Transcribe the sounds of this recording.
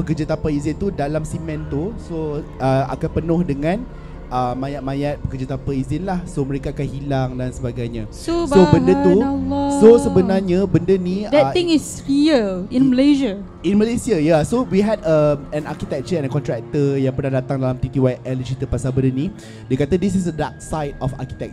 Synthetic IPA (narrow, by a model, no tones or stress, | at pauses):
pəkərd͡ʒat̪apaizɪnt̪udalamsimɛ̃nt̪usoəa̰kanpənʊhdəŋãn | əmãjat̪̚mãjat̪̚pəkəd͡ʒat̪apaizɪnlahsoməɾekaːkanhilaŋdansəbaɡajɲa | sobəndət̪ulsosəbənarɲabəndənĩdɛt̪ĩŋisɹiəlĩnməleʒa | ĩnməlesiajasowiɦɛdəmɛ̃nakit̪ɛk̚t͡ʃəɛ̃nəkɔnt̪ɾɛk̚t̪əjaŋpərnahdat̪aŋdalamt̪it̪iwajʔɛlt͡ʃit̪əpasalbəndəni | diəkat̪adis̬is̬ədak̚sajt̪̚ɔfa̰ki̥t̪ɛk̚